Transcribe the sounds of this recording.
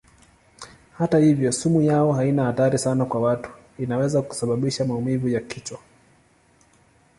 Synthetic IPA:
hatahivjɔsumujaɔhainahataɾisanakwawatu̥ | inawɛzaku̥saɓaɓiʃamaumivujakit͡ʃwa

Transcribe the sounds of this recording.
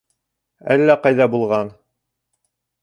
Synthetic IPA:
æ̰lːæqɑjðɑbulˠʁɑn

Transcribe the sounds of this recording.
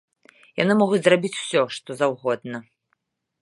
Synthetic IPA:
janɨmɔɣut͡sʲzrabʲit͡sʲw̥sʲɔʂt̪ɔzawɣɔd̪̚nɐ

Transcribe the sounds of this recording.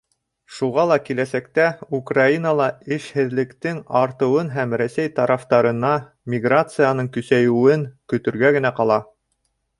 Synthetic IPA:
ʃuʁɑlˠɑkilæsækt̪æukrainɑlˠɑɘʃhɘ̆ðlɘ̆kt̪ɘŋɑɾt̪ɤ̆wɤnɦæmɾæsæjt̪ɑɾɑft̪ɑɾɤ̆nɑ | mʲɪɡrat̪sɨjanɤɴkɵ̆sæjɘ̆wɘŋkɵ̆t̪ɵ̆ɾɡæɡɘ̆næqɑlˠɑ

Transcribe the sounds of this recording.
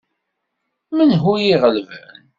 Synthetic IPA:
mənɦujiʁəlvæ̰n

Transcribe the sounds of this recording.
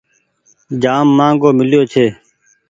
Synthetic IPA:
d͡ʒaːmːãːŋɡoːmɪljoːt͡ʃʰeː

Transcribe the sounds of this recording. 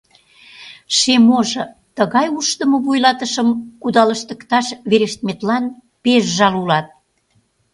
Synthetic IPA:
ʃemoʒɤ̆ | t̪əɣɑjuʃt̪əmə̆βujlɑt̪əʃəmkud̪ɑləʃt̪ə̆kt̪ɑʃβeɾeʃt̪̚met̪lɑn | peʃʒɑlulɑt̪̚

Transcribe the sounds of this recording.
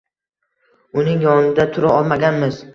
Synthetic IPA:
ʊnɪŋjɒnɪd̪at̪ʰʊɾaɒlˠmaɡʲanmɪz̥

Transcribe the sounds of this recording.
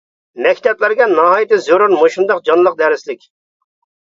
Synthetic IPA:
mɛkʲt̪ʰɛplæɾɡʲɛnɑɦɑːjit̪ɪzoɾʊnmoʃund̪ɑqd͡ʒɑnlˠəq̚d̪ɛɾɪslɪkʲ

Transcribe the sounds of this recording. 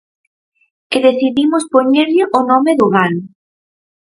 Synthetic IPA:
kɪðeθiðimʊspoɲeɾʎɪʔonɔmɪðʊɣanʊ

